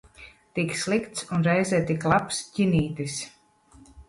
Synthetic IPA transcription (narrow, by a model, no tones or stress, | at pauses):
t̪ikslˠikt̪sunɾɛjzɛːt̪iklˠapscʲiniːt̪is